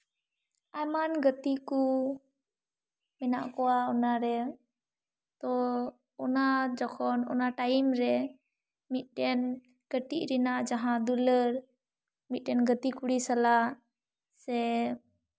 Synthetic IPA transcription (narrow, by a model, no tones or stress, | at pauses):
ajmanɡət̪iku | mɛnaʔkɔwaɔnaɾɛ | t̪ɔ | ɔnad͡ʒɔkʰɔnɔ̰naʈajimɾɛ | mit̪̚ˀɖɛn | kəʈiʔɾinaʔd͡ʒaɦãd̪uləɾ | mit̪̚ɖɛnɡət̪ikuɽisala | sɛ